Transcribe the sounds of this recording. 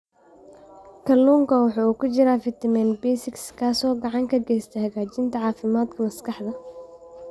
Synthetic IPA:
kʰɐlːuːŋkʰɐwɑħɑːuːkʰʊt͡ʃɪɾaːfɪt̪ʰɪmɛnbɛjsɪkskʰaːsɔːɡɑʕɑŋkʰɐɡɛjst̪ʰɐhɐɣaːt͡ʃɪnt̪ʰɐʕɑːfɪmaːd̪kʰɐmɐskʰɑħd̪ɐ

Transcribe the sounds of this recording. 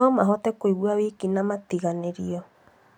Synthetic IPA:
ɔmaɦot̪ekoiwuaβikinamat̪iɣaneɾio

